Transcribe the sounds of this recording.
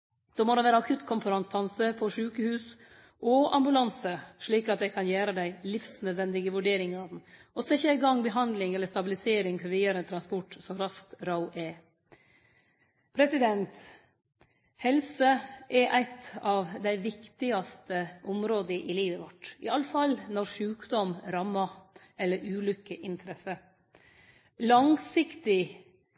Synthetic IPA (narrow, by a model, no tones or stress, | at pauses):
d̪̥oːmɔd̪ɛʋæːɾəɑkʰʉt̪ːkʰɔmfəɾɑŋt̪ʰɑnsəpʰɔʂʉːkəhʉːs | ʔɔɑ̰mbʉlɑnsəʂɭiːkɑt̪̚d̪æɪkʰɑnjæːɾəd̪æɪlɪfsnœd̪ʋɛnd̪ɪɡəʋʉɖeːɾɪŋɑʋd̪nɔsɛçːəæɪɡɑŋːbəɦɑnd̪lɪŋɛlːəʂt̪ɑbɪlɪseːɾɪŋfɔɾʋiːɑɾɛnt̪ʰɾɑnspɔʈːsɔɾɑskt̪ɾɑʊʔɛ | pʰɾɛsɪd̪ɛnt̪ | hɛlsəʔɛʔæɪt̪ɑʋd̪æɪʋɪkt̪ɪɑst̪əʔɔmɾoːd̪əʔɪliːʋəʋɔʈːɪ̰ɑlːəfɑlnɔɾʂʉːkd̪ɔmɾɑmːɑ | ɛlːəɾʉːlʏkːəʔɪnt̪ʰɾɛfə | lɑŋsɪkt̪ɪ